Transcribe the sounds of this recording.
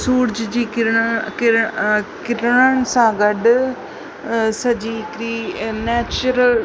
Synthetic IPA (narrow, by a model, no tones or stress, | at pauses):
suːɾd͡ʒd͡ʒiːkɪɾkɪɾkɪɾɳəɳsãːɡəɖ | səd͡ʒiːkɾiːnɛːt͡ʃɾəl